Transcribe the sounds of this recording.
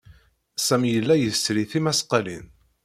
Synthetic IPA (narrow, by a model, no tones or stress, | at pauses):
sæmjəlːæjəsɾiθimæsqɑlḭn